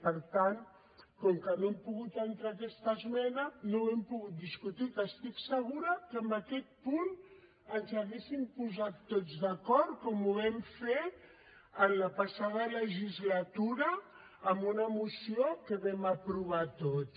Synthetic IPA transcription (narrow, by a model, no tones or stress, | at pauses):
pəɾt̪an | kɔŋkənoɛmpuɣut̪ənt̪ɾakɛst̪əzmɛnənowɛmpuɣut̪̚d̪iskut̪ikəst̪iksəɣ̞uɾəkəmbəkɛt̪̚pun | ənzaɣesimpuzat̪ːod͡zzðəkɔɾt̪̚kɔmuβɛmfe | ənləpasað̞ələʒizlat̪uɾəː | mbunəmusiokəβɛməpɾuβ̞at̪ot̪